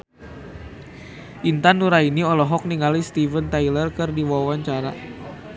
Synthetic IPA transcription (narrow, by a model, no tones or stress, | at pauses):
ʔint̪anːuɾainiɔlɔɦɔk̚niŋalist̪ivənt̪ajlərkɨrdiwawaɲt͡ʃaɾa